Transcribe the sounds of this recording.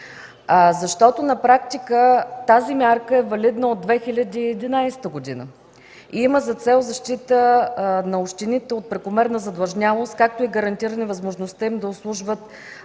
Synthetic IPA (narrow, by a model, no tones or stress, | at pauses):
zɐʃt̪ɔt̪onɐpɾak̚t̪ikət̪azimʲaɾkəɛvɐlid̪nəod̪ːvɛxilʲəd̪iːɛd̪inajst̪əɡod̪inə̰ | iiməzɐt̪sɛlˠzɐʃt̪it̪ənɐoʃt̪init̪ɛot̪̚pɾɛkomɛɾnəzɐd̪lˠɐʒnʲalˠost̪̚kak̚t̪oiɡəɾɐnt̪iɾənivəzmoʒnost̪əimd̪ɐʊslˠuʒvət̪